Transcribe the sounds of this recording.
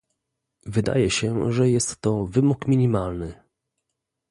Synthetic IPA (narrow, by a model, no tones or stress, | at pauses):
vɘd̪a̰jɛɕɛʐɛjɛst̪ːɔvɘmukmʲiɲʲimalnɘ